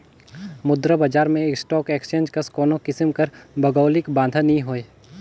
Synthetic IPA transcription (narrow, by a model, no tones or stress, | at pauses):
mʊd̪ɾəbad͡ʒaːɾmẽeksʈɔːkeːkst͡ʃẽːnd͡ʒkɐskɔːnokɪsəmkɐɾbʱɐɡəːlɪkbãːnd̪ʱanɐĩɦoːeː